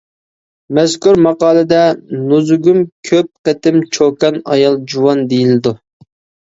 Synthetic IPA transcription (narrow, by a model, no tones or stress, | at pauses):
mɛzkuɾmɑqɑːlˠɨd̪ɛnozuɡʲumkʲʰøp̚qət̪ɪmt͡ʃʰokɑnɑ̰jɑlˠd͡ʒuwɑnd̪ejilɪd̪u